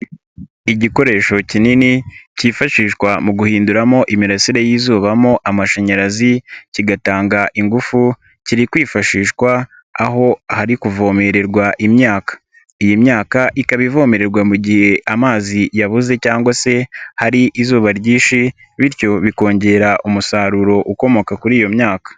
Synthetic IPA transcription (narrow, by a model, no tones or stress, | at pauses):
iɟiko̞ɾe̞ːʃo̞cininiciːfaʃiːʃkwamuɡuhiːnduɾamo̞ʔimiɾasiɾejiːzuːβamo̞ʔamaʃeɲeɾaziciɡataːŋɡaʔiŋɡufu | ciɾikwiːfaʃiːʃkwaː | ɦo̞haɾikuvo̞ːme̞ɾe̞ɾɡwaʔimɲaːkḁ | ijimɲaːkaʔikaβivo̞ːme̞ɾe̞ɾɡwamuɟihe̞ʔamaːzijaβuze̞caːŋɡwase̞haɾiʔizuːβaɾɟiːʃi | βiɾcjo̞βiko̞ːɲɟe̞ɾaʔumusaːɾuɾo̞ʔuko̞mo̞kakuɾiːjo̞mɲaːkḁ